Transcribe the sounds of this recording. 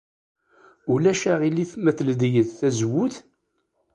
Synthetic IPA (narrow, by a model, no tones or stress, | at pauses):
ulæʃæʁilːiθmæθld̪jəðθæzwʊθ